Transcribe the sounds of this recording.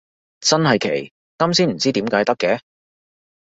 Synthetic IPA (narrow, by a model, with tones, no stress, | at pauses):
t͡sɐ˥nɦɐ˨jkʰḛ˨˩j | kɐ˥msiː˥nm̩˨˩t͡siː˥t̪iː˨˥mkaː˨˥jt̪ɐ˥kːɛ˨˦